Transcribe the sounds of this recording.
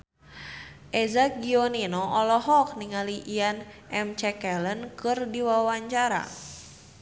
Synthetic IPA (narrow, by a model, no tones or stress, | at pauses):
ʔɛzak̚ɡiɔninɔʔɔlɔɦɔk̚niŋaliʔian | ɛmt͡ʃɛkɛlənkɨrdiwawaɲt͡ʃaɾa̰